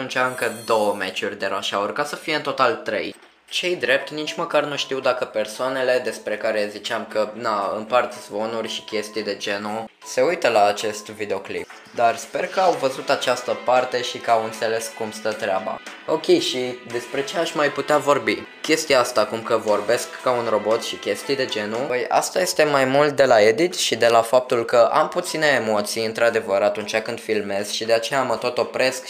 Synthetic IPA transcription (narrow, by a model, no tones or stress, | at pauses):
unt͡ʃaɨŋkəd̪o̞wəmet͡ʃurʲd̪e̞ɾaʃaorkasəfije̞ɨnt̪o̞t̪alt̪ɾe̞̰j | t͡ʃe̞jd̪ɾe̞p̚t̪nit͡ʃʲməkarnuʃt̪iwd̪akəpe̞rsoane̞le̞d̪e̞spɾe̞kaɾe̞zit͡ʃeamkənaɨ̰mpart̪zvo̞nurʲʃi̥kʲe̞st̪ijd̪e̞d͡ʒe̞no | se̞ujt̪əlaːt͡ʃe̞st̪vid̪eo̞klḭp̚ | d̪arspe̞rkəawvəzut̪at͡ʃast̪əpart̪e̞ʃikawɨnt̪se̞le̞skːumst̪ət̪ɾeaba̰o̞kʲe̞jʃid̪e̞spɾe̞t͡ʃeaʃʲmajput̪eavo̞rbi | kʲe̞st̪iaast̪aːkumkəvo̞rbe̞skːaunro̞bo̞t̪ʃikʲe̞st̪ijd̪e̞d͡ʒe̞nuəja̰st̪aje̞st̪e̞majmult̪̚d̪e̞lae̞d̪it̪ʃid̪e̞lafap̚t̪ulkəʔa̰mput̪sine̞ːmo̞t̪sijɨnt̪ɾad̪e̞vəɾat̪unt͡ʃakɨnd̪filme̞z̥ʃid̪e̞at͡ʃe̞jamət̪o̞t̪o̞pɾe̞sk